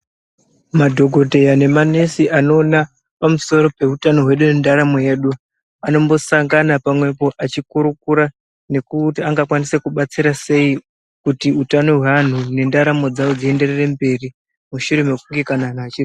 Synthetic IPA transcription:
madʱo̞ɡʱo̞te̞jane̞mane̞siʔano̞ːna | pamuso̞ɾo̞pe̞utano̞ɦwe̞ɗune̞ndaɾamo̞je̞ɗu | ano̞mbo̞saŋɡanapamwe̞po̞ʔat͡ʃikuɾukuɾa | ne̞kutiaŋɡakwanise̞kuɓat͡siɾase̞i | kutiutano̞ɦwean̤une̞ndaɾamo̞d͡zawod͡zie̞nde̞rere̞mbe̞ri | muʃuɾe̞me̞kuŋɡe̞kanaːn̤aːt͡ʃiri

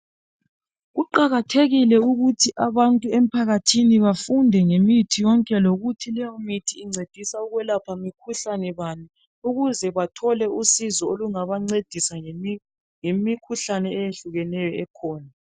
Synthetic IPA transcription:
ɣuǃaɣatʰeɣilɛuɣutʰiʔaβantʼuem̩pʰaɣatʰiniβafundʱɛŋemitʰijɔŋkʼɛloɣutʰilɛjɔmitʰiːŋ͡ǀed̥ʱisauɣwɛlapʰamikʰuɬanɛβani | uɣuzɛβatʰɔlɛusizɔoluŋaβaŋ͡ǀed̥ʱisa | ŋemikʰuɬanɛɛjeɬuɣɛnɛjɔɛkʰɔːna

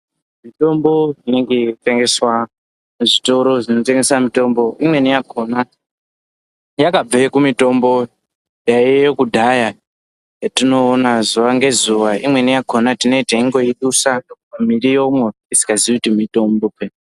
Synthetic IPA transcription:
mito̞mbo̞ine̞ŋɡete̞ŋɡe̞swa | uʐito̞ɾo̞ʐino̞teŋɡe̞samito̞mbo̞imwe̞nijakʰona | jakab͡vaekumito̞mbo̞ | jaijokudʱaja | atino̞ːnazuʋaŋɡe̞zuʋaimwe̞nijako̞natino̞itaiŋɡo̞iɗusanokupamirijomwo | isi̥kaziiutimitomboke

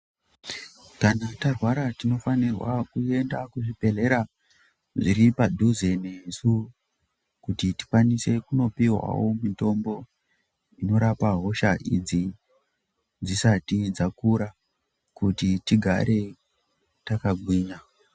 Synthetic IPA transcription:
kanatarwaɾatino̞fanirwa̰kue̞ndakuʐipe̞le̞ɾa | ʐiɾipadʱuzenesu | kutiti̥kwanise̞kuno̞piɦwa̰womito̞mbo̞ | ino̞ɾapaɦo̞ʃaʔid͡zi | d͡zisatid͡zakuɾa | kutitiɡʱa̰ɾe̞ | takaɡʱwiːɲa

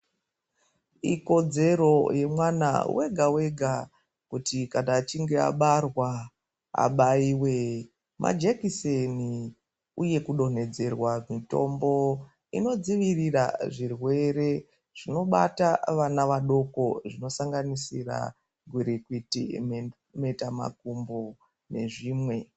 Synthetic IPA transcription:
iko̞d͡ze̞ɾo̞je̞mwana̰wḛɡʱawe̞ɡʱa | kutikanaːt͡ʃiŋɡe̞a̰ɓarwa | a̰ɓaiwe | mʔa̰d͡ʒekiseni | uje̞kuɗo̞ne̞d͡ze̞rwamito̞̰mbo̞ | ḭno̞d͡ziʋirira̰ʐirwe̞ɾe̞ | ʐ̥ino̞ɓataʋanaʋaɗo̞ko̞ʐino̞saŋɡanisira̰ | ɡʱwiɾikwitḭm | me̞tama̰kumbo̞ | ne̞ʐiːmwe̞

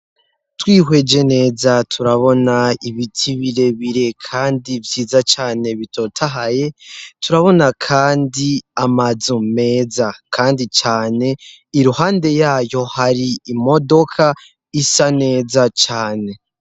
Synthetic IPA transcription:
twiːɦwe̞d͡ʒe̞ne̞ːzatʰuɾaβo̞naiβitʰiβiɾe̞βiɾe̞kʰaːndivjiːzat͡ʃaːne̞βitʰo̞ːtʰaɦaje̞tʰuɾaβo̞nakʰaːndiamazume̞ːzakʰaːndit͡ʃaːne̞ | iɾuhaːnde̞jaːjo̞haɾiːmo̞do̞kʰa | isane̞ːzat͡ʃaːne̞

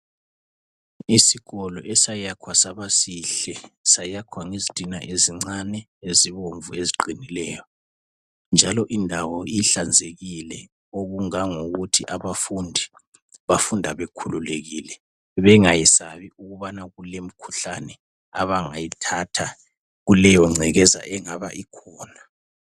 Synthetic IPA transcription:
isiɣɔlɔʔɛsajakʰwasaβasiɬɛsajakʰwaŋizid̥ʱina̰ʔeziŋ͡ǀanɛ | eziβoɱvueziǃinilɛjɔ | nd͡ʒʱalɔʔindʱawɔiɬand͡zʱeɣilɛ | oɣuŋaŋuɣutʰiʔaβafundʱi | βafundʱaβekʰululeɣiːlɛ | βɛŋajisaβiuɣuβanaɣulem̩kʰu̥ɬanɛ | aβaŋa̰jitʰatʰa | ɣulɛjɔŋ͡ǀʱɛɣɛza̰ʔɛŋaβa̰ʔikʰɔːna

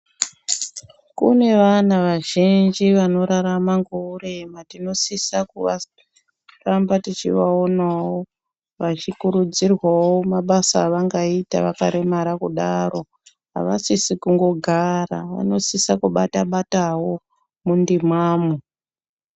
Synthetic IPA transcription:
kṵne̞ʋanaʋaʒind͡ʒiʋano̞ɾaɾamaŋɡoure̞matino̞sisakuʋa | rambatit͡ʃḭʋao̞nawo | ʋat͡ʃikuɾud͡zirwawo̞maɓasaːʋaŋɡaita̰ʋaka̰ɾe̞maɾakuɗaro̞ | ɦa̰ʋasisikuŋɡo̞ɡʱara̰ʋa̰no̞sisakuɓataɓatawo̞ | mundimwaːmu

